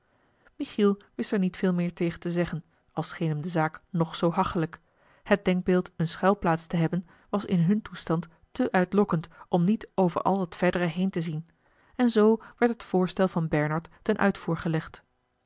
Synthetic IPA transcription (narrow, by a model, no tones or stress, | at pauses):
miχilˠʋɪstɛɹnitfɪːlˠmɪːɹtejχəntəzɛχən | ɑlˠsχejnɦəmdəzaːknɔχsowɦɑχtələk | hət̚dɛŋɡ̚bɪːlˠtənsχɛlˠplaːtstəɦɛbən | ʋɑsɪnɦɵntustɑnt | təʔœɥtlɔkəntɔmnitowvə̰ɹʔɑ̰lˠɦətfɛɹdəɾəɦejntəzin | ɛnzowʋɛɹtɦətfʊːɹstɛlˠvɑnbɛɹnɑɹtːɛnʔœ̰ɥtfuːɹχəlɛχt